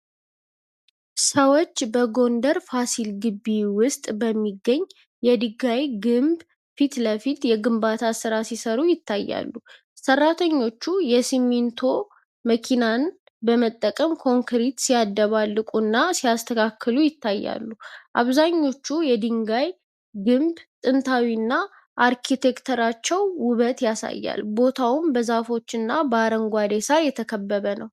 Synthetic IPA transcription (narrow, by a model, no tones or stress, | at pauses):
səwot͡ʃːbəɡo̞nd̪əɾfasilɡɨbːiwʊst̪ʼbəmːiɡːəɲː | jɛd̪ɨɡajɡɨmb | fit̪ləfit̪jɛɡɨmbat̪ʰasɨɾasisəɾujɪt̪ʰːajːa̰lːu | sərːat̪ʰəɲːo̞t͡ʃːujɛsimint̪ʰo̞ | məkʰinan | bəmət̪ʼːəkʼəmkʰo̞ŋkʰɾit̪sijad̪ːəβalːɨkʼunːasijast̪ʰəkʰakʰːɨlujɪt̪ʰːajːa̰lːuʔaβzaɲːo̞t͡ʃːujɛd̪ɨŋɡaj | ɡɨmbt̪ʼɨnt̪ʰawinːa | ʔaɾkʰit̪ʰe̞kt̪ʰəɾat͡ʃːɛwːʊβət̪jasa̰jːa̰lbo̞t̪ʰawʊmbəzafo̞t͡ʃːɨnːabəaɾəŋɡʷad̪esajɛt̪ʰəkʰəbːəβənəw